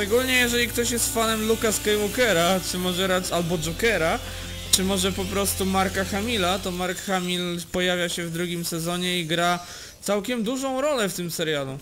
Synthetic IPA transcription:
ʂɛɡulɲɛjɛʐɛlʲikt̪ɔɕjɛst̪fanɛmlukaskajwɔkɛɾat͡ʂɘmɔʐɛɾasalbɔd͡ʐɔkɛɾa | t͡ʂɘmɔʐɛpɔpɾɔst̪umaɾkaxamʲilat̪ɔmaɾkxamʲilpɔjavʲjaɕɛvd̪ɾuɡʲimsɛzɔɲɛiɡɾa | t̪sawkʲɛmd̪uʐɔ̃w̃ɾɔlɛft̪ɘmsɛɾjalu

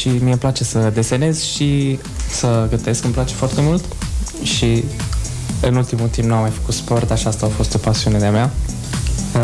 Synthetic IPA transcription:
ʃimiemplat͡ʃe̞səd̪e̞se̞ne̞zʃi | səɡət̪e̞skɨmplat͡ʃe̞foart̪e̞mult̪ʃi | ɨnult̪imult̪ĩmbnuamːajfə̥kut̪spo̞rt̪aʃiast̪aafo̞st̪o̞pasiune̞d̪eamea

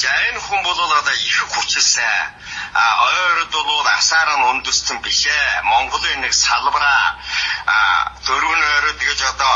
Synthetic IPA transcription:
t͡ɕænxumpɔɮʊːɮɔt̪aːixɘ̆kxʊt͡ɕɪ̆ɮsə | ɔɾt̪ʊɮʊːt̪a̰saːɾə̆nʊnt̪ɵ̆st̪ɘ̆mpiɮeːmɔɴɢɞ̆ɮiːnːeksaɮpʁaː | t̪ʰɵɾ̆ɘnɔːɾɔːt̪ɡĕt͡ɕɔt̪ɔ

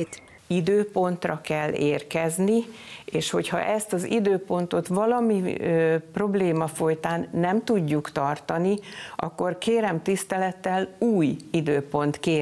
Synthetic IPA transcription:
id̪øːpo̞nt̪rɒkɛlːeːrkɛznieːʃho̞chɒ̰ʔɛst̪ɒzid̪øːpo̞nt̪o̞t̪vɒlɒmipro̞bleːmɒfo̞jt̪aːnːɛmt̪uɟːukt̪ɒrt̪ɒniʔɒ̰kːo̞rkeːɾɛmt̪ist̪ɛlɛt̪ːɛluːjid̪øːpo̞nt̪keː

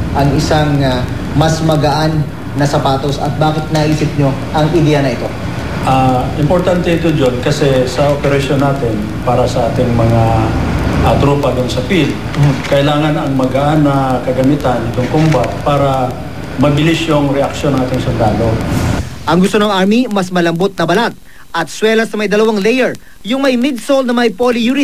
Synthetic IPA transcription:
ʔɐŋɪsaŋ | mɐsmɐɡɐʔanː | ɐsɐpaːt̪osɐ̰t̪̚baːkɪt̪̚nɐʔiːsɪp̚ɲoʔɐŋʔɪd̪ɛːjɐnɐʔɪt̪o̞ | ʔaʔɪmpoɾt̪ant̪ɛɪt̪od͡ʒonkɐsɛsɐʔopɛɾɐʃonːaːt̪ɛn | paːɾɐsɐʔaːt̪ɪŋmɐŋa | ʔɐt̪ɾuːpɐd̪ʊnsɐpild̪ | kɐʔɪlaːŋɐnɐŋmɐɡaʔanːɐkɐɡɐmɪt̪anɪt̪oŋkʊmbat̪̚paːɾɐ | mɐbɪlɪsjʊŋɾɛʔɐk̚ʃonɐŋʔaːt̪ɪŋsʊld̪aːlo̞ | ʔɐŋɡʊst̪onɐŋʔaɹmimɐsmɐlɐmbot̪̚nɐbɐlat̪̚ | ʔɐt̪swɛːlɐsnɐmɐjd̪ɐlɐwaŋlɛjɛɹ | jʊŋmɐjmɪd̪̚solnɐmɐjpolijunɪ

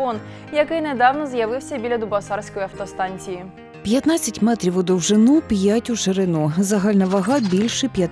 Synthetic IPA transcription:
ɔn | jɐkɪjned̪ɑwnɔzjɐʋɪwsʲɐbʲilʲɐd̪ʊbɐsɑrsʲkɔjiɐwt̪ɔst̪ɑnʲt͡sʲiji | pʲjɐt̪nɑt͡sʲːɐtʲmɛt̪ɾʲiwʊd̪ɔwʒɪnupʲjatʲʊʃeɾɪnuzɐɦɑlʲnɐʋɐɦɑbʲilʲʃɪpʲjɐt̪

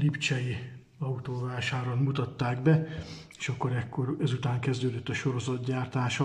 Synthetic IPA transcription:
lipt͡ʃɛji | ɒut̪oːvaːʃaːɾonmut̪ɒt̪ːaːɡbɛ | eːʃɒkːoɾɛkːoɾɛzut̪aːŋkɛzd̪øːd̪øt̪ːɒʃo̞ɾo̞zɒd̪ɟaːrt̪aːʃɒ

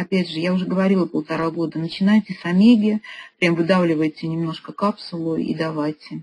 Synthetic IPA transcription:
ɐpʲædʲʐɨjaʊʐɛɡəvɐɾʲilˠəpəlˠt̪aɾaɡo̞d̪ənət͡ɕɪnajtʲɪsɐmʲeɡʲɪpɾʲamvɨd̪avlʲɪvəjtʲɪnʲɪmno̞ʂkəkapsʊlˠʊḭd̪avajtʲɪ

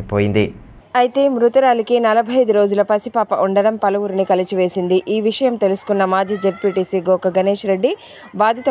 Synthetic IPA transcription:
poːjind̪i | ɐjit̪e̞ːmɾut̪ɐɾaːlikinɐlɐbʱɐjd̪uɾo̞ːd͡ʒulɐpɐsipaːpɐʔuɳɖɐɽɐmpɐlɐʋuɾinikɐlit͡ʃiʋe̞ːsind̪iʔiːʋiʂɐjɐmt̪e̞lusu̥kunːɐmaːd͡ʒiːd͡ʒeb̚piːʈiːsiɡoːkɐɡɐneːʂɾe̞ɖːi | baːd̪ʱit̪ɐ

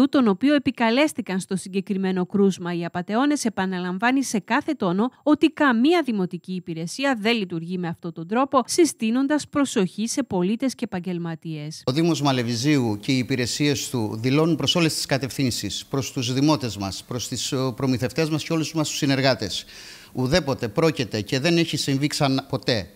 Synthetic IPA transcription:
ut̪o̞no̞pio̞epikɐle̞st̪ikɐnst̪o̞siɲɟe̞kɾime̞no̞kɾuzmɐiɐpɐt̪e̞o̞ne̞se̞pɐnɐlɐɱvɐnise̞kɐθe̞t̪o̞no̞o̞t̪ikɐmiɐðimo̞t̪iciːpiɾe̞siɐðe̞lit̪uɾʝime̞ɐft̪o̞t̪o̞nd̪ɾo̞po̞sist̪ino̞nd̪ɐspɾo̞so̞çise̞po̞lit̪e̞sceːpɐɲɟe̞lmɐt̪ie̞soðimo̞zmɐle̞viziuce̞iːpiɾe̞sie̞st̪uðilo̞nunpɾo̞so̞le̞st̪i̥skɐt̪e̞fθinsispɾo̞st̪uzðimo̞t̪e̞zmɐspɾo̞st̪ispɾo̞miθe̞ft̪e̞zmɐsceo̞lusmɐst̪u̥sine̞ɾɣɐt̪e̞s | uðepo̞t̪e̞pɾo̞cet̪e̞ce̞ðe̞neçisiɱviksɐnpo̞t̪e̞

